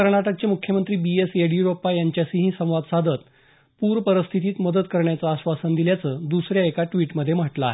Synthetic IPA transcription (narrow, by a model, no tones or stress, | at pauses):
kəɾɳaʈək̚t͡ɕemukʰːjəmənt̪ɾiːbieseɽjuɾopajaɲt͡ɕjasiɦĩsə̃w̃ʋad̪sad̪ʱət̪ | puɾpəɾəst̪ʰit̪iːt̪məd̪ət̪kəɾɳjat͡saːɕʋasənd̪iljat͡səːd̪usɾjaekaʈʋiːʈməd̪ʱːjem̤əʈlaa̰ːɦe